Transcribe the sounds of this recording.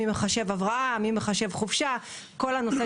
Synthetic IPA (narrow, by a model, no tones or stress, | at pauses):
imeχaʃe̞vavʁaʔamimeχaʃe̞vχuvʃa | ko̞lano̞se